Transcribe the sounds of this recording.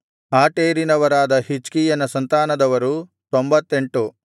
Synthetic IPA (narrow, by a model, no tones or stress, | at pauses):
aːʈeːɾinɐʋɐɾaːd̪ɐɦit͡ʃkijɐnɐsɐnt̪aːnɐd̪ɐʋɐɾut̪ombɐt̪ːe̞ɳʈu